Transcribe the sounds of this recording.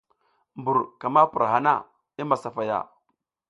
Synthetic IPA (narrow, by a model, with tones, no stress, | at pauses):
mbu˨ɾka˨ma˦pu˨ɾa˨ɦa˦na̰˦˨ | i˦ma˨sa˨fa˨ja̰˨